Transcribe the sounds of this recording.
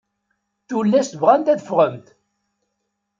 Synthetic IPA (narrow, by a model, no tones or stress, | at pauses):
θulːæsvʁænt̪æðəfʁəmt̪